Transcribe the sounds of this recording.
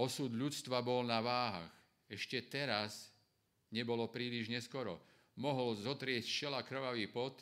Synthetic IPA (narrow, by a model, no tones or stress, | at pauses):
ɔsud̪ʎut͡st̪ʋabɔlnaʋaːɦa̰x | ɛʃcɛt̪ɛɾas | ɲɛbɔlɔpɾiːliʒɲɛskɔɾɔ | mɔɦɔlzɔt̪ɾɪɛst͡ʃɛlakr̩ʋaʋiːpɔt̪